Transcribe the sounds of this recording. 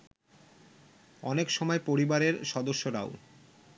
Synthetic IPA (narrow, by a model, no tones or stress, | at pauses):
ɔnekʃɔmɔepoɾibaɾeɾʃɔd̪oʃːoɾa̰o̰